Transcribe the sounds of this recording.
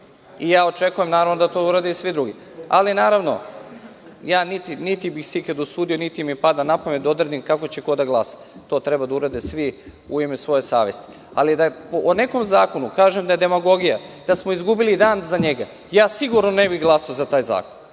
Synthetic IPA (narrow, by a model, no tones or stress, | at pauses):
ijaːot͡ʃe̞kuje̞mnaːɾaʋnod̪at̪o̞uɾad̪eisʋid̪ɾuɡi | a̰linaːɾaʋno̞̰ | jaːnit̪init̪ibixsiked̪usuːd̪ijo̞nit̪imipad̪anapamed̪aod̪ɾed̪imkako̞t͡ɕeko̞d̪aɡlˠasḁ | t̪o̞ːt̪ɾebad̪auɾad̪esʋi | uimesʋo̞je̞sa̰ːʋje̞̰st̪i̥ | a̰lid̪apone̞ko̞mzaːko̞nukaːʒemd̪aje̞d̪e̞maɡo̞ɡijad̪̥asmo̞izɡubilid̪aːnzaɲe̞ɡa | jaːsiɡuɾnone̞biɣɡlˠasaozat̪aːjza̰ːkon